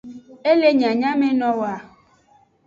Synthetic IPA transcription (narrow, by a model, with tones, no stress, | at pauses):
e˦le˦ɲ˨ã˨ɲã˦me˦nɔ̃˦wa˨